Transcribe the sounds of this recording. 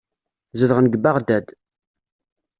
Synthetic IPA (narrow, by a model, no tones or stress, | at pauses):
zəðəʁənəɡbaʁd̪æd̪